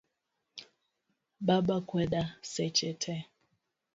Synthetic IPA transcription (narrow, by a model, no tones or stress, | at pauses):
ɓaɓakwɛɗasɛt͡ʃɛtʰɛ